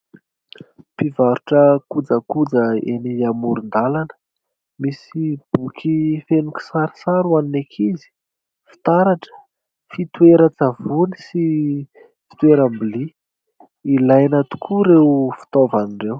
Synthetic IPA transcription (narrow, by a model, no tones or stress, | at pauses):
pivaɾuʈ͡ʂəkud͡zəkud͡zəeniamuɾund̪alanə̥ | misib̥ukʰifenukʲi̥saɾi̥saɾuaninekʰizi̥ | fi̥t̪aɾaʈ͡ʂə̥ | fit̪weɾət͡savunisi | fi̥t̪weɾambili | ilajnat̪u̥kʰuɾewfi̥t̪ovaniɳɖ͡ʐew